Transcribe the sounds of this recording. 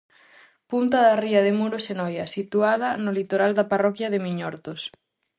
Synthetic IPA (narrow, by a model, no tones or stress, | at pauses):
punt̪ɐðɐriɐðɪmuɾosenɔjɐsit̪uað̞ɐnʊlit̪oɾald̪ɐparɔkjɐðɪmiɲɔɾt̪os